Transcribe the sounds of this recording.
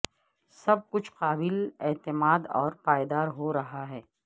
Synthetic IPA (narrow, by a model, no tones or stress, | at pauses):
sɐb̚kʊt͡ʃʰqaːbɪlɛːt̪ɪmaːd̪ɔ̰ːɾpaːjd̪aːɾɦoɾɐɦaɦɛː